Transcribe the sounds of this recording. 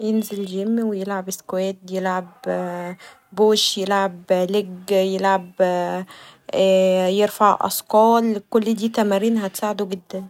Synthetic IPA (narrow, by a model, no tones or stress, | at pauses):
jenzelɡemːwejelʕabeskwæːt̪̚jelʕab | boːʃjelʕableɡjelʕab | jeɾfaʕʔɑ̰sˤqɑːlkolːd̪iːt̪æmæɾiːnɦæt̪saːʕed̪oɡed̪ːæn